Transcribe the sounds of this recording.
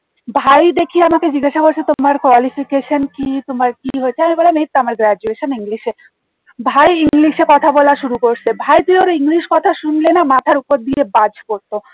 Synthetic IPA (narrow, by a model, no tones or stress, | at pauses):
bʱajd̪ekʰiamaked͡ʑiɡaʃakoɾt͡ɕʰet̪omaɾkoalifikeʃonkit̪omaɾkiɦoet͡ɕʰeaɦibɔlemet̪̚t̪amaɾɡɾad͡ʑueʃoniŋliʃe | bʱajiŋliʃekɔt̪ʰabɔlaʃuɾukoɾsʰebʱajt̪ioɾoiŋliʃkɔt̪ʰaʃunlenamat̪ʰaɾupoɾd̪iebad͡ʑkoɾt̪o